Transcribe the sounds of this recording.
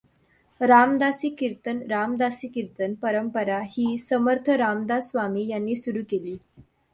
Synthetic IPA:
ɾamd̪asiːkiɾt̪ənɾamd̪asiːkiɾt̪ənpəɾəmpəɾahiːsəməɾt̪ʰəɾamd̪asʋamiːjanːiːsuɾuːkeliː

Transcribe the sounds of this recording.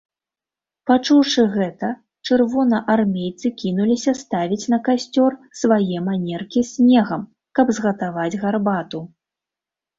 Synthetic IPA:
pat͡ʂuwʂɨɣɛt̪ɐ | t͡ʂɨrvɔnɐʔarmʲejt̪sɨkʲinulʲisʲɐst̪avʲit͡sʲn̪ɐkasʲt͡sʲɔrsvajɛmanʲɛrkʲisʲnʲɛɣɐm | kɐbzɣɐt̪avad͡zʲɣarbat̪u

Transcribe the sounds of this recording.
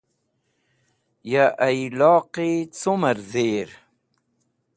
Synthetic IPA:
jaʔajlɑːqit͡sumaɾzeːɾ

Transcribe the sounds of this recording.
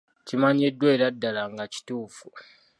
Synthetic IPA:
cimaɲedwe̞ːɾadːalaŋɡaci̥tuːfu

